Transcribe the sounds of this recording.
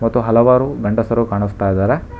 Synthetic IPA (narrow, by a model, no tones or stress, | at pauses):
mɐt̪ːuɦɐlɐʋaːɾuɡɐɳɖɐsɐɾukaːɳist̪aːjd̪aːɾe